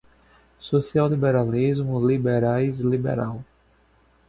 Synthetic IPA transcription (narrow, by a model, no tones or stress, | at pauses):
sosiawlibeɾalizmʊlibeɾajzlibḛɾaw